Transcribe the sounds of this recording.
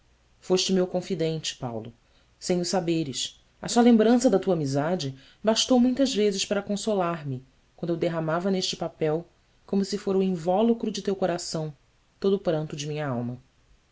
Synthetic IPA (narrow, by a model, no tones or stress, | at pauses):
foʃt͡ʃɪʊmewkõfid̪ẽnt͡ʃɪ̥pa̰wlʊ̰ | sẽj̃ʊsabeɾɪʃ | ɐsɔɐlẽmbɾɐ̃sɐd̪ɐt̪uɐaːmizad͡ʒɪ | baʃt̪owmũj̃t̪ɐzvezɪʃpaɾɐkõsolaɾmɪ | kwɐ̃nd̪ewd̪eɦamavɐneʃt͡ʃɪpapɛw | kõmʊsɪfoɾɐuĩvɔlukɾʊd͡ʒɪt̪ewkoɾasɐ̃w̃ | t̪od̪ʊpɾɐ̃nt̪ʊd͡ʒɪmĩɲɐawmɐ